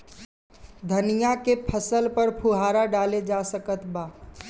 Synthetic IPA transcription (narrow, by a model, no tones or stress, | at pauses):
d̪ʱənijakepʰəsəlpəɾpʰuɦaɾaɖaled͡ʒasəkət̪ba